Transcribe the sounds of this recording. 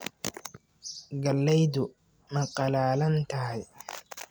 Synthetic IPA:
ɡɐlːɛjd̪ʊ | mɐqɑlaːlɐnt̪ʰɐɦɐj

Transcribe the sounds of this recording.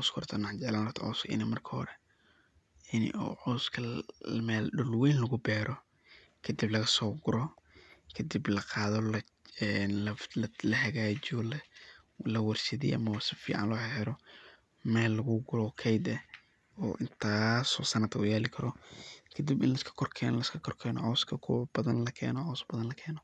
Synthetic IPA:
ʕɔːskʰɔrt̪ʰɐnɐħd͡ʒɛʕlaːnɐt̪ʰɐʔɔːskʰʔɪ̰nɪmɐrkʰɐhɾɛ | ɪnɪ̰ɔ̰ːʕʊskʰɐmɛːlɖʊlwɛjnlɐɣʊbɛːɾɔ | kʰɐd̪ɪblɐɣɐsɔːɡʊɾɔkʰɐd̪iblɐqɑːðɔ | nlllɐhɐɣaːt͡ʃɪɔlɛ | lɐwɐrʃɐðḭːʔɐ̰mɐwasɪfḭːʕɑ̰nlɔːhɛhɛɾɔ | mɛːlːɐɣʊɡʊlɔkʰɛjd̪ɛ | ɔ̰ːʔɪnt̪ʰaːsɔːsɐnɐd̪kʰʊjaːlɪkʰɐɾɔkʰɐd̪ibɪ̰nlɐɪskʰɐ̥kʰɔrkʰɛ̰ːnlɐɪskʰɐkʰɔrkʰɛːnɔ̰ʕɔskʰɐkʰʊwɐb̥ɐðɐnlɐkʰɛ̰ːnɔʕɔːsbɐðɐnlɐkʰɛːnɔ

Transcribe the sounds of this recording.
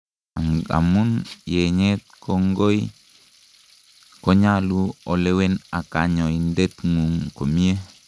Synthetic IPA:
aŋa̰munjeɲet̚koŋɡoj | koɲaluolewenakaɲoindet̪ŋuŋkomie

